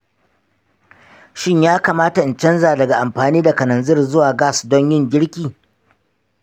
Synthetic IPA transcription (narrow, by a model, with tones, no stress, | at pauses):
ʃɪ˦ɲjaː˦kaː˨maː˦ta˨ʔɪ˨nt͡ʃɐ˦nzaː˨dɐ˨ɡa˨ʔa˨mɸaː˨niː˦da˨kɐ˨nɐ˨nzɪ˦˨rzʊ˦waː˨ɡaː˦˨sdɔ˦ɲjɪ˦ŋɡʲɪ˦ɽkʲiː˨